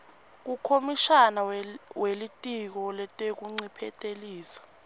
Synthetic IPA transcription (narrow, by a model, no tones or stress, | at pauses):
k̬ukʰomiʃanawelitʼik̬ɔlɛtʼek̬uŋ͡ǀipʰɛtʼeliːsḁ